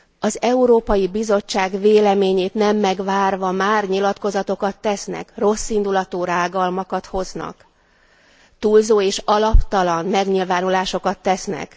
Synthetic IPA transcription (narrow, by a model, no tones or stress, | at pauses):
ɒzɛuɾoːpɒjibizo̞t͡ʃːaːɡveːlɛmeːɲeːt̪nɛmːɛɡʋaːrvɒmaːrɲilɒt̪ko̞zɒt̪o̞kɒt̪ːɛsnɛ̰kro̞sːind̪ulɒt̪oːɾaːɡɒlmɒkɒt̪ho̞znɒ̰k | t̪uːlzoːeːʃɒlɒpt̪ɒlɒnmɛɡɲilvaːnulaːʃo̞kɒt̪ːɛsnɛ̰k